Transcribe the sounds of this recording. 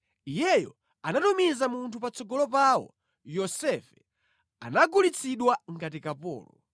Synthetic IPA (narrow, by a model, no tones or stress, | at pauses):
ijɛjɔ̰ | anatumizamuntʰupat͡sɔɡɔlɔpawɔ̰ | jɔsɛfɛ̥ | a̰naɡulit͡sʰiɗwaŋɡat̬ikapɔ̰ːlɔ